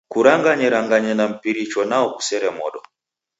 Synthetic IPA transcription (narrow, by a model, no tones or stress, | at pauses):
kuɾaŋɡaɲɛɾaŋɡaɲɛnam̩piɾit͡ʃɔnaɔku̥sɛɾɛmɔ̰ɗɔ